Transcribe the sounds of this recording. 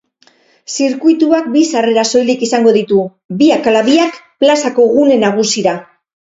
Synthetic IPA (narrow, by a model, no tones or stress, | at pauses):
siɾkujt̪uak̚bisare̞ɾaso̞jlikisaŋɡo̞ðit̪u | biakalaβiakplasako̞ɣune̞naɣ̞usiɾa